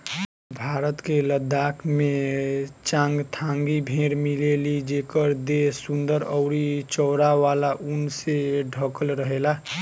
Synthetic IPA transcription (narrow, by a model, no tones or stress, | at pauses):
bʱaɾət̪keləd̪akʰme | t͡ʃãŋɡt̪ʰãŋɡibʱeɾmilelid͡ʒekəɾd̪esund̪əɾəʊɾit͡ʃɔwɾaʋalaʔunseɖʱəkəlɾəɦela